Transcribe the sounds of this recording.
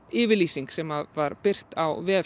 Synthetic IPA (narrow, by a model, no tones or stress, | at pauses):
ɪːvɪɾliːsiŋksɛmavaɾpɪr̥t̪awvɛːɛ